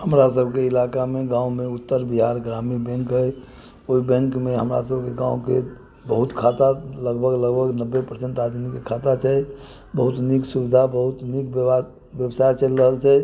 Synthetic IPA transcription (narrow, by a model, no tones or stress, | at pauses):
həmɾasəbʱkeilakameɡãumeut̪ːəɾbiɦaɾɡɾamibɛ̃ŋkɦəj | oibɛ̃ŋkmeɦəmɾa̰səbʱkeɡãuke | bəɦut̪kʰat̪aləɡbʱəɡləɡbʱəɡnəbːepəɾseɳʈad̪mikekʰat̪at͡ʃʰɛbəɦut̪niksubid̪ʱabəɦut̪nik̚ba | bjəbsajt͡ʃəlɾəɦəlt͡ʃʰɛ